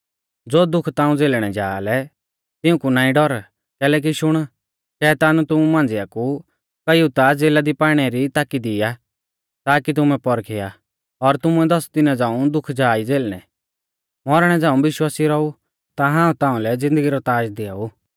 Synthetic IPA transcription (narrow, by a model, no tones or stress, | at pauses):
d͡zoːd̪ʊkʰt̪ãːũd͡zeːlɽ̃ɛd͡ʒaːlɛ | t̪ɪũkunaːĩɖɔɾ | kɛːlɛːk̬iʃʊɽ̃ | ʃɛːt̪aːnt̪ʊmumãːn̆d͡zɪaku | kɐjut̪ad͡zeːlad̪ipaːɽ̃ɛɾit̪aːkid̪ɪja | t̪aːkit̪̬ʊmɛ̃pɔɾkʰɪja | ɔɾt̪ʊmuɛd̪ɔst̪ɪnãd͡zãːũd̪ʊkʰd͡ʒaːid͡zeːlɽ̃ɛ | mɔɾɽ̃ɛd͡zãːũbɪʃwaːsiɾɔu | t̪aɦãːũt̪ãːũlɛd͡zɪ̃nd̪əɡiɾɔt̪aːd͡ʒd̪ɪauː